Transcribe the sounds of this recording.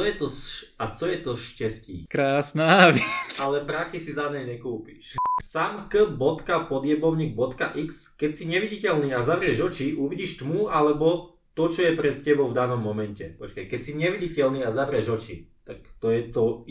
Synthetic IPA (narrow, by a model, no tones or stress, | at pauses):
ɔjɛt̪ɔsat͡sɔjɛt̪ɔʃcɛscḭːkɾaːsnaːʋɪɛt͡salɛpɾaxisizaɲɛjɲɛkuːpiʃsaːmkəbɔt̪kapɔd̪ɪjɛbɔʊɲiːɡ̚bɔt̪kaʔikskɛcsiɲɛʋiɟicɛlniːazaʋɾɪɛʒɔt͡ʃiʔuʋiɟiʃt̪mualɛbɔ | t̪ɔt͡ʃɔjɛpɾɛt̪cɛbɔʊvd̪anɔmːɔmɛncɛpɔt͡ʃkajkɛcsiɲɛʋiɟicɛlniːazaʋɾɛʒɔt͡ʃit̪akt̪ɔjɛt̪ɔ